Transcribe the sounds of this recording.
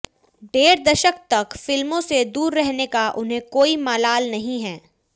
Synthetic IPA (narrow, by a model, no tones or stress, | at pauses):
ɖeːɾd̪ɐʃək̚t̪ɐkfɪlmõsed̪uːɾːɛɦnekaʔʊnɦẽkoːimaːlaːlnɐɦĩɦɛː